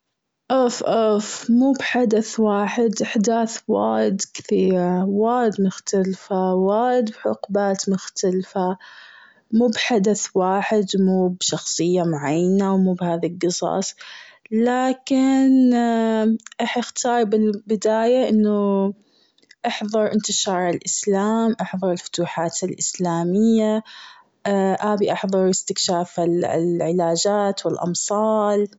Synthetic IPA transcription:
ʔofʔʊfmuːbħad̪aθwaːħɪd̪ʔɪħd̪aːθwa̰ːjɪd̪kɪ̥θiːɾwaːjɪd̪mʊxt̪alfawaːjɪd̪bħʊ̰qbaːt̪mʊxt̪alfa | muːbħad̪aθwaːħɪd̪muːbʃɑxsˤɨjːamʕajːnawmuːbhaːðalɡɨsˤɑ̰ːsˤlaːkɪn | ʔɑħʔɪxt̪ʰɑːɾˤbɪlbɪd̪aːjaʔɪnːu | ʔɑħðˤɑɾˤʔɪnt̪ɪʃɑːɾˤɪlʔɪslaːmʔɑħðˤɑɾˤɪlfʊ̥t̪uːħaːt̪ɪlʔɪslaːmɪjːa | ʔaːbiʔɑħðˤɑɾˤɪst̪ɪkʃaːfɪlʕɪlaːd͡ʒaːt̪wɪlʔɑ̰msˤɑːl

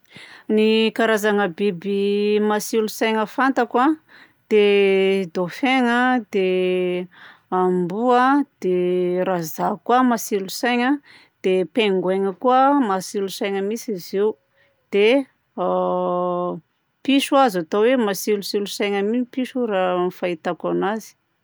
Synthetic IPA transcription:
nikaɾazaŋəbibimasilusajŋəfant̪akwa | d̪̥ed̪ofeŋəd̪̥e | ambuəd̪̥eɾazakwamasilusajŋə | d̪̥epeŋɡweŋəkuəmasilusajŋəmisiziu | d̪̥e | piʃuazat̪owemasilusilusajŋəmiipiʃuramifait̪akanazi̥

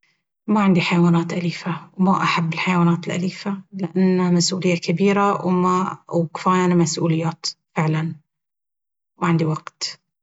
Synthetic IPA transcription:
maʕɪnd̪iħajawaːnaːt̪ʔaliːfawmaʔaħabːɪlħajawaːnaːt̪ɪlʔa̰liːfalɪʔanːamasʔuːlɪjːakabiːɾawmawkɪ̥faːjanamasʔuːlɪjːaːt̪fɪʕlan | maʕɪnd̪iwaɡt̪

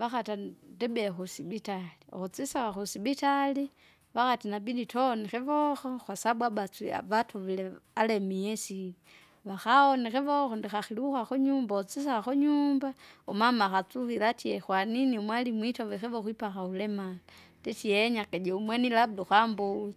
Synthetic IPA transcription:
ʋaxatandɛbɛxusibitaliɔ̰xɔt͡sisaxaxusibitali | ʋaxatinabiditɔnɛxɛʋɔxɔxwasabwabat͡sḭʋatʰɔʋilɛalɛmiɛsili | ʋaxaɔnɛxɛʋɔxɔndixaxiliuxaxuɲumbaɔt͡sis̬axaxɔɲumbaɔmamaxat͡suxilatʰiɛxwaniniumwalimwitɔʋɛxɛʋɔxwipaxaulɛmala | dɛtiɛɲakɛd͡ʒɛumwɛnilab̚duxambuli

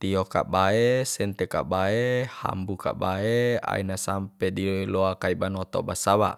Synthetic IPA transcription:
t̪ioka̰baesɛnt̪eka̰ʔbaeha̰mbuka̰baea̰inasampediloakaibanot̪o̰basaβa̰ʔ

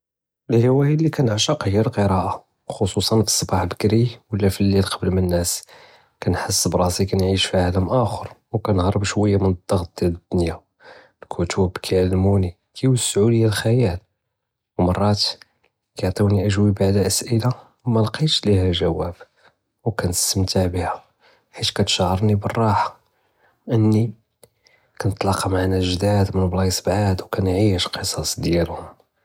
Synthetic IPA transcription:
əlhiwæjəlːikænəʕʃɑqhjæɾlqəɾɑʔa | xosˤusˤɑnfi̥sˤːbɑħbəkɾiwəlːæfilːilqʰɑbəlmənːæs | kænħəsːbɾˤɑsikænʕiʃfiʕaləmʔæxəɾˤwkænhɑɾˤəbʃwəjːamənəd̪ːɑɣt̪̚d̪̥jæləd̪̥ːʊnja | lkʰut̪ʰubkʰæʕalːmuni | kʰæjwəsːʕuləjːælxæjæl | wmɑrˤːɑt̪ | kæʕt̪ˤiwniʔəʒwibaʕd̪lʔəsʔəla | wmælqiʃlihæʒæwːæb | wkænt̪əst̪əmt̪aʕbihæ | ħit̪kæt̪ʃʕəɾˤnibərˤːɑħḁ | ʔənːi | kænət̪ˤlɑqɑmaʕnæʒd̪æd̪mənblɑsˤbʕad̪wkænʕiʃqəsˤɑsˤd̪jælhʊm

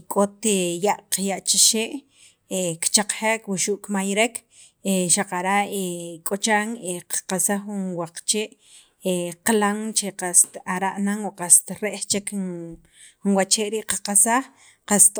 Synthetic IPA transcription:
kʼot̪ejaʔqjaʔt͡ʃiʃeːʔ | ekt͡ʃaq͡χχekwuʃuʔkmajɾekʰ | eʃaqaɾaʔekʼot͡ʃaŋeqḁqasaχunwaqt͡ʃeːʔ | eqlaŋt͡ʃeqast̪aɾaʔnaŋwoqast̪ɾeʔt͡ʃek | unwat͡ʃeːʔɾiːʔqḁqasaχ | qast̪

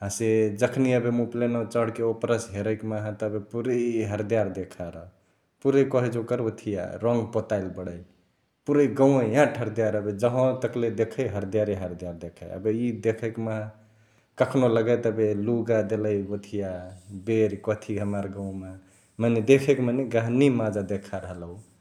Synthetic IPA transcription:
ãsed͡ʒəkʰniəbemũplenot͡ʃəɽ̤keopɾəsɦeɾəkmaɦãt̪ɔəbepuɾeɦəɾd̪ijaɾd̪ekʰaɾə | puɾekɔɦid͡ʒokəɾot̪ʰija̰ɾɔŋɡpot̪aɪlbəɽə | puɾeiɡəw̃ẽjãʈʰəɾd̪ijaɾəbed͡ʒəɦõt̪əkled̪ekʰəjɦəɾd̪ijaɾiɦəɾd̪ijaɾd̪ekʰa̰jə̰beid̪ekʰəkmaɦ | kəkʰnoləɡət̪əbeluɡad̪eləjot̪ʰijabeɾkɔt̪ʰiɦəməɾɡəw̃me | maned̪ekʰekmaneɡəɦnimad͡ʒad̪ekʰaɾəɦəlu

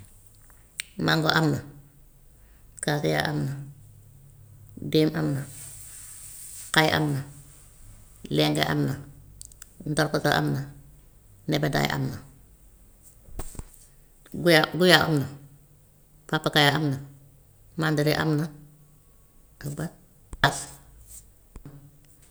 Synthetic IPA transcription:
maŋɡoʔamna | kasija̰ʔa̰mna | deːmʔamna | kajʔa̰mna | lɛŋɡḛʔa̰mna | n̩dɔɾkɔta̰ʔa̰mna | nɛbɛda̰j̰ʔa̰mna | ɡjaɡujaʔa̰mna | papːakajaamna | mandaɾiʔa̰mna | abat̚ | as

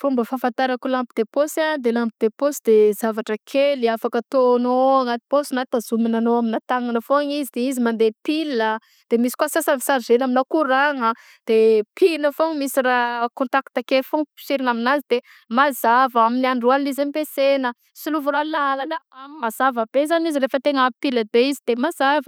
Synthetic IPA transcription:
fumbəfãfant̪aɾəkulampid̪̥eposand̪elampid̪eposid̪ezavaʈ͡ʂəkʰeliafakət̪onoaŋat̪i̥posinat̪azuminanoaminat̪aŋanəfoaŋizid̪eizimand̪epilə | d̪̥emisi̥kwasasavi̥saɾzenaminakuɾaŋə | d̪̥epʰinəfoŋmisirakõnt̪akt̪akelfoŋpi̥siɾinaminazid̪̥e | mazavaminiaɳɖ͡ʐualizapesenə | siluvuɾalaalanəammazavəb̥ezanizirefət̪eŋpiləbeizid̪emazavə

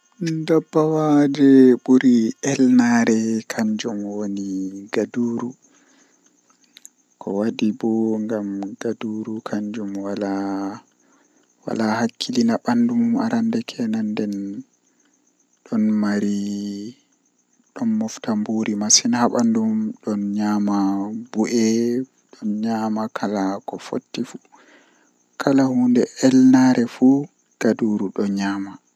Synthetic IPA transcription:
ndabːawad͡ʒɛɓuɾiɛlnaɾɛkʰaɲd͡ʒɔmwoniɡaduːɾu | kʰɔwadibɔŋɡamɡ̥aduɾukʰaɲd͡ʒumwala | wa̰lahakʰːilinaɓandumuma̰ɾandɛkʰɛnandɛn | ɗɔnmaɾi | ɗɔnmɔftambuɾimasinhaɓandummɗɔnɲamabuʔɛ | ɗɔnɲamakʰalakɔfo̰tːifu | kʰalahundɛɛlnaɾʔɛfu | ɡ̥aduɾuɗɔɲaːma

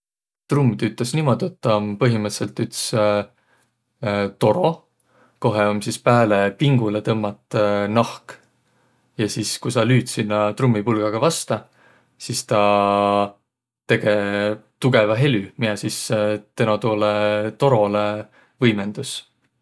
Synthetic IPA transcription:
t̪rumd̪yt̪ːˑesniːmo̞d̪ʲie̞t̪ːɑompɤɦimɨt̪se̞lt̪ːˑyt̪s | t̪o̞ɾo̞ | ko̞ɦeo̞msispæːlepiŋɡ̥ulet̪ɤmːɑt̪ˑnɑhk | jɑsiːskusɑlyːt̪sinːɑt̪rumːipulɡ̥ɑɡ̥ɑvɑst̪ɑ | sist̪ɑ | t̪e̞ɡ̥e̞t̪uɡ̥e̞vɑɦe̞lʲymiɑsist̪enot̪oːlet̪o̞ɾo̞le | vɤjme̞nd̪̥us

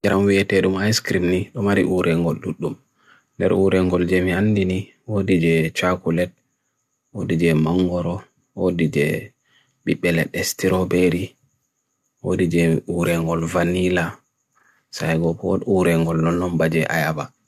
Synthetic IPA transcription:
d͡ʒaɾamwiɛtɛɗumajskɾimniɗɔmaɾḭʔuɾʔɛŋɡɔlɗuɗːum | ndɛ̰ɾuɾɛŋɡɔld͡ʒemianːdini | wodid͡ʒɛt͡ʃakulɛt̚ | wodid͡ʒɛmaŋɡɔɾɔ | wodid͡ʒɛ̰ | ɓiɓːɛlɛɗɛstiɾɔbeɾi | wo̰did͡ʒɛuɾɛŋɡɔlvanila | sajɡɔpɔuɾɛŋɡɔlːɔnːɔmbad͡ʒɛʔa̰jaba

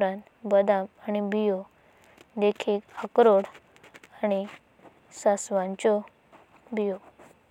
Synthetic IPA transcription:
ɾãnt̪bəd̪ãmañibijo | d̪ekʰiːkakɾoɽ | ãi | sasʋãɲt͡ɕɔ | bijo

